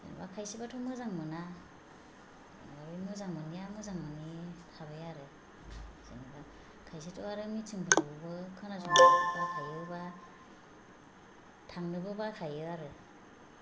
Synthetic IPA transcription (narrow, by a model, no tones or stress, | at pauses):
zḛnḭbakʰajsibatʰɔmɯzaŋmɯna | ɯ̰nbaɾɯjmɯzaŋmɯniamɯzaŋmɯnitʰaβɯjaɾɯ | z̥ɯniba | kʰajs̬itʰɯwaɾɯmit͡ʃɯŋpʰɯtʰɯbɯbɯkʰɯnasɔŋaatɯkʰajɯba | tʰaŋnɯbɯbakʰajɯaɾɯ